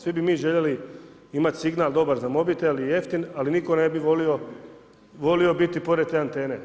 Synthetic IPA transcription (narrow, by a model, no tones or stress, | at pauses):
sʋibimiːʒe̞ʎe̞li | imat̪ʲsiɡnaːld̪o̞baɾzamo̞bit̪elije̞ft̪inaliniko̞ne̞biʋo̞lio̞ | ʋo̞lio̞bit̪ipo̞ɾed̪̚t̪eːant̪e̞ːne̞